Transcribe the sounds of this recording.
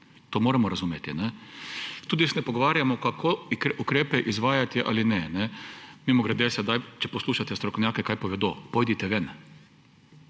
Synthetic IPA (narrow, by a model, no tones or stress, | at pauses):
t̪omoːɾamɔɾazuːmjet̪inɛ | t̪uːd̪isɛnɛpoɡoʋaːɾjamɔkakʰoikʔukɾeːpɛʔizʋaːjat̪iʔa̰linɛnɛmimɔɡɾɛd̪esɛd̪ajt͡ʃɛposluːʃat̪ɛst̪ɾokonʲjaːkɛkajpoʋɛd̪opojd̪it̪ɛʋɛn